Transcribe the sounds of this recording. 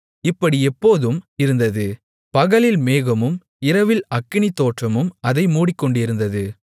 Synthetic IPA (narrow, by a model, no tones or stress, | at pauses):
ɪpːɐɽiɛpːoːðɯmɪɾɯnd̪ɐðɯ | pɐɣɐlɪlmeːɣɐmɯm | ɪɾɐʋɪlɐkːɪɳit̪ːoːʈrɐmɯmɐðɐɪmuːɽɪkːɔɳɖɪɾɯnd̪ɐðɯ